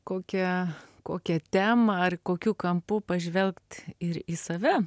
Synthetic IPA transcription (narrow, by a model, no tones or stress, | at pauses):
koːkʲɛkoːkʲɛt̪ʲæːmɐɐrkoːkʲuːkɐmpupɐʒʲʋʲɛlʲˠkt̪ɪɾisɐʋʲɛ